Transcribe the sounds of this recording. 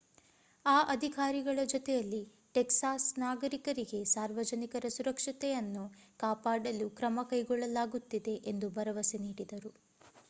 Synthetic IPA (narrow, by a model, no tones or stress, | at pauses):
aːʔɐd̪ʱikaːɾiɡɐɭɐd͡ʒɔt̪ɛjɐlːi | ʈeksaːsnaːɡɐɾikɐɾiɡe̞saːɾʋɐd͡ʒɐnikɐɾɐsuɾɐkʂɐt̪ɛjɐnːukaːpaːɽɐlukɾɐmɐkɐjɡɔɭːɐlaːɡut̪ːid̪e̞ʔend̪ubɐɾɐʋɐseniːɽid̪ɐɾu